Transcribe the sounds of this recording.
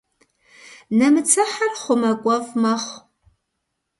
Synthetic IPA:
nɐmɨt͡sʰɐħarχʷʊmɐkʷʼɔvmɐχʷ

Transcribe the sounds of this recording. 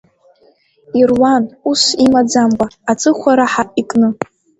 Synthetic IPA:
irwanusimad͡zambʼaːt͡sʼɨχʷʰaɾaħaikʼnɨ

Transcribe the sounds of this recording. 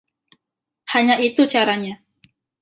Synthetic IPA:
haɲaʔit̪ut͡ʃaɾaɲa

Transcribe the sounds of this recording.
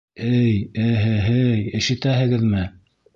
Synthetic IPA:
ɘjɘɦɘɦɘjɘ̆ʃɘ̆t̪æɦɘ̆ɡɘðmɘ

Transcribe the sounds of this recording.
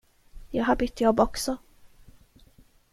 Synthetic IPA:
jɑːɦaɾbʏt̪ːjɔbɔksɔ

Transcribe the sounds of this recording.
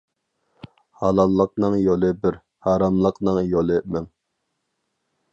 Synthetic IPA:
hɑlˠɑlˠːəq̚nɨŋjolˠɨbɪɾ | hɑːɾɑmlˠəqnɨŋjolˠɨmɛŋ

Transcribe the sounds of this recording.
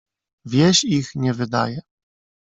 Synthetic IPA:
vʲjɛɕixɲɛvɘd̪a̰jɛ

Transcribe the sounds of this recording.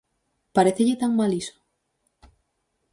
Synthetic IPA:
paɾeθeʎet̪aŋmaliso̥

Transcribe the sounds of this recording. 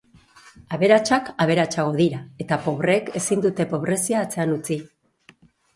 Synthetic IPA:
aβe̞ɾat͡ʃakaβ̞e̞ɾat͡ʃaɣo̞ðiɾae̞t̪apo̞βɾeke̞sind̪ut̪e̞po̞βɾe̞siaːt͡se̞anut͡si

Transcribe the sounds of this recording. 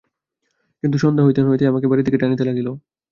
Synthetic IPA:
kint̪̬uʃɔnd̪ʱaɦojt̪eɦojt̪eamakebaɾit̪d̪ikeʈanit̪elaɡilo

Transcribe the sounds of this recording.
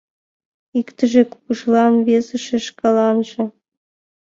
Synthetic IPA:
ikt̪ɘ̆ʒeku̥kuʂlˠɑnvʲezɨ̆ʂĕʃkɑlˠɑnʒɤ̆

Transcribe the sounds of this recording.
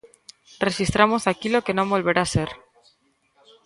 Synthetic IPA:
reʃist̪ɾamosakilokenõmbolβeɾaseɾ

